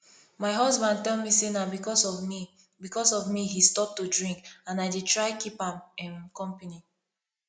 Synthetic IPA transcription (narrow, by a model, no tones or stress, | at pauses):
maɪɦʌzbãnd̚tɛlˠmisenabikɔsɔi | bikɔsɔvmiɦistɔp̚tudɹĩŋkãnaɪditɹaɪkipãmɛ̃mkɔ̃mpani